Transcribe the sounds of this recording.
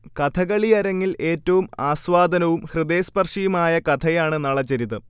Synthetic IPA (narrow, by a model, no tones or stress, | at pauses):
kɐt̪ʰɐɣɐɭijɐɾɐŋːile̞ːtːɐʋumaːsʋaːd̪ʱɐnɐʋumhrɨd̪e̞ːspɐrʂijumaːjɐkɐt̪ʰɐjaːɳɨnɐɭɐt͡ɕːɐɾiðɨ